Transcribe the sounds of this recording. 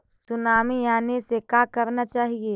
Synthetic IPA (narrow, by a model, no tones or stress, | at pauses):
sʊnaːmijaːnesekaːkəɾnat͡ʃaːɦieː